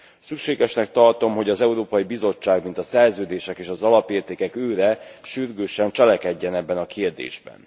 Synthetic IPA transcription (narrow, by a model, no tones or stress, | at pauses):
sykʃeːɡɛʃnɛk̚t̪ɒrt̪o̞mɦo̞ɟɒzɛuɾoːpɒjibizo̞t͡ʃːaːɡmint̪ɒsɛrzøːd̪eːʃɛkeːʃɒzɒlɒpeːrt̪eːkɛkøːɾɛʃyrɡøːʃɛnt͡ʃɛlɛkɛɟːɛnɛbːɛnɒkerd̪ḛːʒbɛ̰n